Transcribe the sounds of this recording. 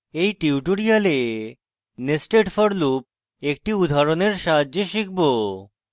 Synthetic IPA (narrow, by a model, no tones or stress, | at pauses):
ejʈiuʈoɾijale | nesʈeʈfɔɾlup̚ | ek̚ʈiud̪ʱaɾoneɾʃaɦad͡ʑːeʃik̚ʰbo